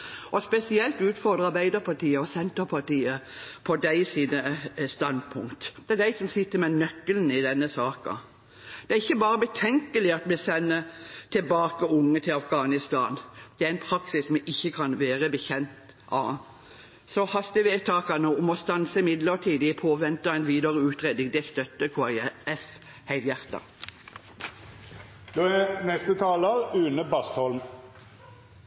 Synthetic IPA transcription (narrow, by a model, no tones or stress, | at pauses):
ʔɔspɛsɪɛlt̪ʉːt̪fɔɾd̪ʁəɑɾbæɪd̪əɾpʰɑʈiːəɔsɛnt̪əɾpʰɑʈ̪iːəpʰɔd̪æɪsiːnəst̪ɑnd̪̚pʰʊ̰ŋkt̪d̪̥ɛæd̪æɪsɔmsɪt̪ːəɾmɛnœkːəln̩ɪd̪ɛnːəsɑːkɑ̰ | d̪̥ɛæɾɪçːəbɑːɾəbət̪ʰɛŋkəlɪɑt̪mɛsɛnːət̪ʰɪlbɑːkəʊŋːət̪ʰɪlɑfɡɑːnɪst̪ɑːnd̪̥ɛæɾɛɪnpʰʁɑksɪsmɛʔɪçːəkʰɑnʋeːʁəbəçɛnt̪ | ʔɑ̰ | sɔhɑst̪ɪʋeːt̪ʰɑːkɑnəɔmɔst̪ɑnsəɪmɪd̪ləʁt̪ʰiːd̪ɪpʰoːʋɛnt̪ɑɛɪnʋiːd̪əɾəʉːt̪ʁeːd̪ɪŋd̪ɛæst̪œt̪ːəkʰuɑɛf | hæɪljæʁt̪ɑ̰ | d̪̥oːænɛst̪ət̪ʰɑːləɾʉːnəbɑst̪hɔlm